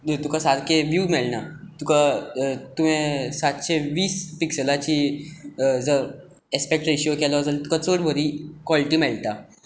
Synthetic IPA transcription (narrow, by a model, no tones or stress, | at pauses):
t̪ukasaɾkeʋjuːmɛlnat̪ukat̪umẽsat̪ɕeʋiːspiksəlat͡ɕiː | d͡zəɾ | espek̚ʈiɕokɛlad͡zəlt̪ukat͡soɽbʱəɾiːkɔliʈiːmɛɭt̪a